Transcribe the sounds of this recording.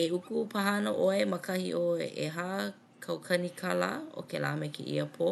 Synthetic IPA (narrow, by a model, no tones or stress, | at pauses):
eukupʰɐɦɐnoʔoemɐkɐhḭʔoeʔeɦa | kʰɐwkʰɐnikʰɐla̰o̰kela̰ːmɛkḛʔḭəpʰo